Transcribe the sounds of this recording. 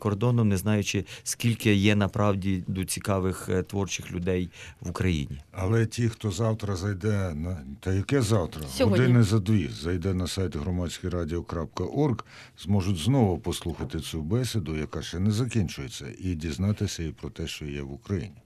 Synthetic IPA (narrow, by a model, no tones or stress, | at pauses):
kɔrd̪ɔnɔmnɛznɑjʊt͡ʃɪskʲilʲkɪjɛnɐpɾɑwdʲid̪ɔt͡sʲikɑʋɪxt̪ʋɔrt͡ʃɪxlʲʊd̪ɛjʋʊkɾɐjḭnʲiɐlˠɛtʲixt̪ɔzɑwt̪ɾɐzɐjd̪ɛnɐt̪ɐjɐkɛzɑwt̪ɾɐɔd̪ɪnɪzɐd̪ʋʲizɐjd̪ɛnɐsɑjt̪ɦɾɔmɑt͡sʲsʲkijɾɑdʲɪɔkɾɑp̚kɐʔɔrɡ | zmɔʒʊtʲznɔʋʊpɔslˠuxɐt̪ɪt͡sʲubɛsʲɪd̪ʊjɐkɑʃt͡ʃɛnɛzɐkʲinʲt͡ʃʊjet͡sʲːɐ̰idʲiznɑt̪ɪsʲɐipɾɔt̪ɛʃt͡ʃɔjɛʋʊkɾɐjḭnʲi